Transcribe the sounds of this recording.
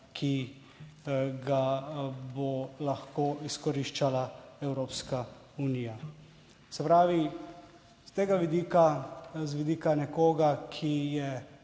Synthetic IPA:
kʰi | ɡabɔlaxkoːiskɔɾiʃt͡ʃalaɛwɾoːpska | uniːja | sɛpɾaːʋi | st̪eːɡaʋid̪ikazʋid̪iːkanɛkoːɡakʰijɛ

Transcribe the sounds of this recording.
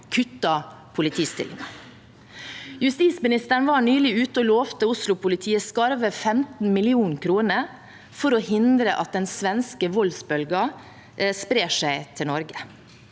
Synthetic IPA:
kʰʉt̪ːɑ | pʰʊlɪt̪ʰiːst̪ɪ̰lɪ̰ŋɑ | jʉst̪iːsmɪnɪst̪əɳ̩ʋɑːɳyːlɪʉːt̪əɔloːʋt̪əʊslʊpʰʊlɪt̪ʰiːəskɑɾʋəfɛmt̪n̩mɪlɪuːnkʰɾuːnəɾ | fɔɾɔːhɪnd̪ɾəʔɑ̰t̪̚d̪ɛnsʋɛnskəʋɔlsbœlɡɑ | spɾeːʂæɪt̪ʰɪlnɔɾɡə

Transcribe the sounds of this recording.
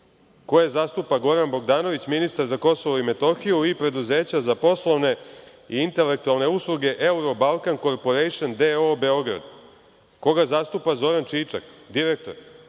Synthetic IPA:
ko̞jezast̪upaɡo̞ɾanbo̞ɡd̪aːno̞ʋit͡ɕminist̪aɾzako̞so̞ʋoime̞t̪o̞xijuipɾe̞d̪uze̞ːt͡ɕazapo̞slˠoʋne̞ | iint̪e̞le̞k̚t̪ualˠne̞uslˠuɡe̞ʔeuɾo̞balˠkanko̞ɾpo̞ɾejʃond̪eobe̞o̞ɡɾa̰d̪ | ko̞ɡazast̪uːpazo̞ɾant͡ʃiːt͡ʃa̰kd̪iɾek̚t̪o̞ɾ

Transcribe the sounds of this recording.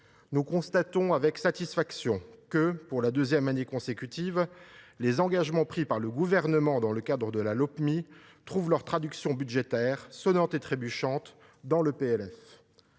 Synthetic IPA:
nukɔ̃st̪at̪ɔ̃avɛksat̪isfaksjɔ̃kəpuʁlad̪øzjɛmanekɔ̃sekʲyt̪ivlezɑ̃ɡaʒmɑ̃pχipaʁləɡuvɛʁnəmɑ̃d̪ɑ̃ləkad̪ʁəd̪əlalɔpmit̪χuvlœʁt̪χad̪yksjɔ̃byd̪ʒet̪ɛːʁsɔnɑ̃t̪et̪χebyʃɑ̃t̪ | d̪ɑ̃ləpeɛlɛf

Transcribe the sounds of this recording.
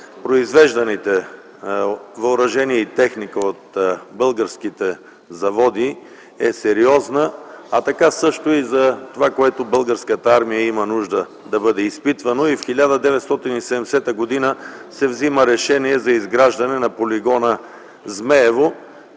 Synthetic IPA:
pɾoizvɛʒd̪ɐnit̪ɛ | vɐʊɾɐʒɛniɛit̪ɛxnikəot̪bɤlˠɡəɾskit̪ɛ | zɐvɔd̪i | ɛsɛɾiɔznəɐt̪ɐkasɤʃt̪oizɐt̪ovakoɛt̪obɤlˠɡəɾskət̪əaɾmijəimɐnuʒd̪ə | d̪ɐbɤd̪ɛispit̪vɐnoifxilʲad̪əd̪ɛvɛt̪st̪ɔt̪inisɛd̪ɛmɛsɛt̪əɡod̪inəsɛvziməɾɛʃɛniɛzɐizɡɾaʒd̪ɐnɛnɐpoliɡɔnə | zmɛɛvo

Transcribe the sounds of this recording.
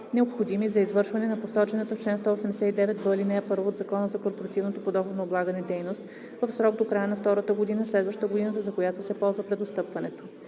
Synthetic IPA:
nɛopxod̪imizɐizvɤɾʃvɐnɛnɐposɔt͡ʃɛnət̪əft͡ʃlɛnst̪ɔosɛmd̪ɛsɛt̪id̪ɛvɛt̪̚bəlinɛɛpɤɾvoːd̪zɐkɔnəzɐkoɾpoɾɐt̪ivnot̪opod̪ɔxod̪noːblˠaɡənɛd̪ɛjnost̪ | vəfsɾɔɡ̚d̪okɾajənɐft̪ɔɾət̪əɡod̪inəslɛd̪vəʃt̪ət̪əɡod̪inət̪əzɐkojat̪osɛpɔlˠzvəpɾɛd̪ost̪ɤpvɐnɛt̪o̥

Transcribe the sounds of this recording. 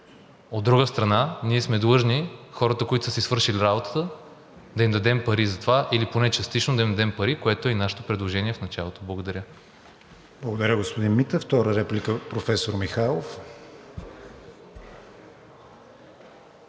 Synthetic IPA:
od̪ːɾuɡəst̪ɾɐnaniɛsmɛd̪lˠɤʒnixɔɾət̪əkoit̪o̥səsisvɤɾʃiliɾabot̪ə̥t̪ə | d̪ɐimd̪ɐd̪ɛmpɐɾizɐt̪ovaʔiliponɛt͡ʃɐst̪it͡ʃnod̪ɐimd̪ɐd̪ɛmpɐɾikoɛt̪oɛnaʃɛ̥t̪opɾɛd̪lˠoʒɛniɛfnɐt͡ʃalˠot̪oblˠɐɡod̪ɐɾʲə | b̥lˠɐɡod̪ɐɾʲəɡospod̪inmit̪əft̪ɔɾəɾɛplʲikəpɾofɛsoɾmixalˠof

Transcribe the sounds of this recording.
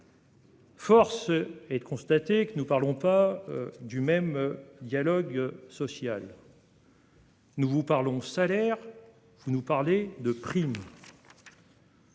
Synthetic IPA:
fɔʁsɛd̪əkɔ̃st̪at̪ekənupaʁlɔ̃pad̪ymɛmd̪jalɔɡsɔsjal | nuvupaʁlɔ̃salɛʁ | vunupaʁled̪əpχim

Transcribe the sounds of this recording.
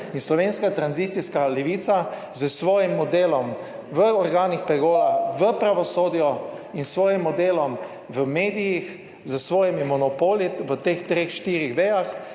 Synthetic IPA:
inslɔʋeːnskat̪ɾanziːt̪siskalɛʋiːt̪sa | zəsʋɔːjimːɔd̪eːlɔm | ʋəɔɾɡaːnixpɾɛɡoːɾaʋəpɾaʋɔsoːd̪ijɔ | insʋɔːjimːɔd̪eːlɔm | ʋəmeːd̪ijix | zəsʋɔːjɛmimɔnɔpoːliʋət̪eːxt̪ɾeːxʃt̪iːɾixʋeːjax

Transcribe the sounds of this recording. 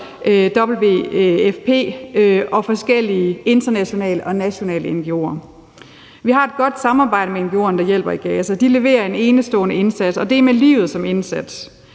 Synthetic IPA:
d̥ɒ̽b̥l̩ʋe̝̰efpʰe̝̰ːʔɒ̽fɒ̽sɡ̥el̰iəe̝nd̥ɐnæɕo̝nɛ̰ːləʔɒ̽næɕo̝nɛ̰ːləenɡ̥io̝̰ːɐ | ʋiɦɑ̈e̝d̥̚ɡ̥ɒ̽d̥sɑ̈mɑ̈ːb̥ɑ̈ɪ̰ɾ̥əmeenɡ̥io̝ːɐnəd̥ɑ̈jel̰b̥ɐiɡ̥ɛːsɐd̥ile̝ʋe̝̰ːɐe̝ne̝ːnəsd̥ɔ̰̽ːnəe̝nsæd̥sɒ̽d̥e̝æɐmelḭːʊð̞̩ˠsɒ̽me̝nsæd̥s

